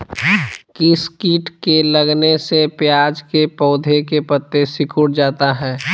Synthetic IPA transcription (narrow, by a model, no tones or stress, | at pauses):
kiskiːʈkeləɡnesepjaːd͡ʒkepɔːd̪ʱekepət̪ːesɪkʰʊɽd͡ʒaːt̪aɦɛː